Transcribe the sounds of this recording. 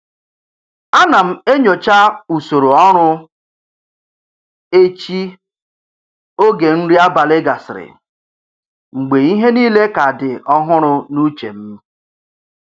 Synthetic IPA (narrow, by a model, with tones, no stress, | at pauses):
a˦na˨m̩˨e˦ɲo˨t͡ʃa˦u˨so˨ɾo˨ɔ˦ɾʊ˦ | e˦t͡ʃi˦ | o˦ɡe˨n̩˦ɾi˦a˦ba˨le˦ɡa˨sɪ˨ɾɪ̰˨ | ŋ͡m̩˨ɡ͡be˨i˦ɦe˦niː˦le˦ka˨dɪ˨ɔ˦ɦʊ˦ɾʊ˦nu˦t͡ʃḛ˨m̩˦